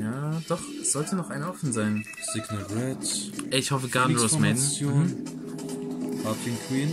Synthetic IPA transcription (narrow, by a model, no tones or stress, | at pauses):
jaːd̥ɔχɛsz̥ɔltʰənɔχaɪnɔfn̩zaɪn | sɪɡnəʁɛtʔɛɪçhɔfəɡaɐnosmɛnjoːn | hatʰɪŋkʰwiːn